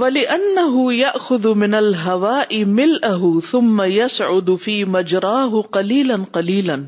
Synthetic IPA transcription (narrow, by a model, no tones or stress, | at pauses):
walɪʔanːaɦʊjaʔxʊðmɪnalɦawaːʔɪmɪlʔaɦʊθʊmːajasʕʊd̪fiːmad͡ʒɾˤɑːɦʊqɑliːlanqɑliːlan